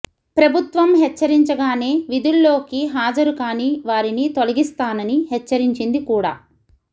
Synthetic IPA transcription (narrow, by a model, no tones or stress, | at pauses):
pɾɐbʱut̪ʋɐmɦɛt͡ʃːɐɾiɲt͡ʃɐɡaːneːʋid̪ulːo̞ːkiɦaːd͡ʒɐɾukaːniːʋaːɾinit̪o̞lɐɡist̪aːnɐniɦɛt͡ʃːɐɾiɲt͡ʃind̪ikuːɽa̰ː